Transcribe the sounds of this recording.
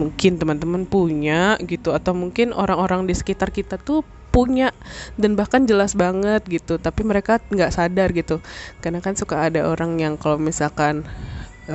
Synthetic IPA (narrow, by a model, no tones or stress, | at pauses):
muŋkɪnt̪əmant̪əmənpuɲaʔɡit̪uat̪awmuŋkɪno̰ɾaŋoɾaŋdisə̥kit̪arkit̪at̪u | puɲaʔdanbahkand͡ʒəlasbaŋət̪̚ɡit̪ut̪apiməɾekaŋɡaʔsadarɡit̪ukarnakansukaːdaʔoɾaŋjaŋkalawmisalkan